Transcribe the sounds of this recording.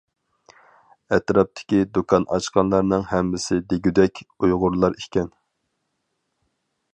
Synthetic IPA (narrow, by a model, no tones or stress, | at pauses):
ɛt̪ɾɑp̚t̪ʰɪ̥kʲid̪ukʰɑnɑ̰t͡ʃqɑnlˠɑɾnɨŋhɛmːɪsɪd̪eɡʲyd̪ɛkʲujʁʊɾlˠɑɾikʲʰɛn